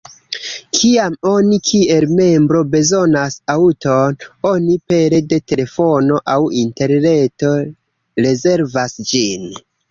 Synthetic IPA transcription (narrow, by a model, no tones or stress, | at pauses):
kʰiamo̞nikʰie̞lme̞mbɾo̞be̞zo̞nasautono̞nipe̞ɾe̞de̞te̞le̞fo̞no̞ʔawinte̞ɾne̞to̞ | ɾe̞ze̞ɾvasd͡ʒin